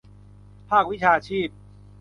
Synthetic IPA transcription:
pʰaː˥˩k̚wi˦˥t͡ɕʰaː˧t͡ɕʰiː˥˩p̚

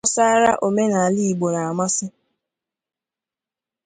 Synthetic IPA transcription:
sa˦ɾa˦ʔo˨me˦na˨a˨li˦i˨ɡ͡bo˨na˨a˨ma˦sɪ˦

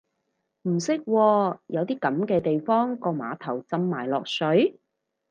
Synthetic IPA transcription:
m̩˨˩sɪ˥k̚wɔː˧jɐ˨˧wt̪iː˥kɐ˨˥mkɛː˧t̪e˨jfɔː˥ŋkɔː˧ma̰ː˨˥t̪ʰɐ˨˩wt͡sɐ˧mːaː˨˩jlɔː˨k̚sɵ˨˥ɥ

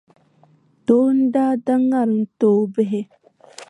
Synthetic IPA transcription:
to˦n˦ɖaː˦da˦ŋːa˨ɾn̩˦to˨be˦ɦe˦

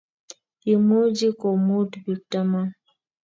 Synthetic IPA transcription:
i˨mu˦d͡ʒi˦ko˨mu˦dbi˨ta˦ma˦

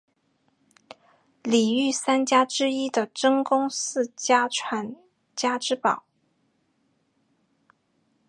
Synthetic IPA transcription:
li˨˩y˥˩sa˥nt͡ɕja˥ʈ͡ʂɻ̩˥i˥d̪ə˨ʈ͡ʂə˥ŋkʊ˥ŋsɹ̩˥˨t͡ɕja˥ʈ͡ʂʰwa˨˩n | t͡ɕja˥ʈ͡ʂɻ̩˥pɑ˨˩˦ʊ

